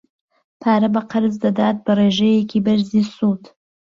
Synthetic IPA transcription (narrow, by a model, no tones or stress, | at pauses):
pʰaːɾɐbɐqɐɾzd̪ɐd̪aːt̪̚bɐreːʒɐjekiːbɐɾziːsuːt̪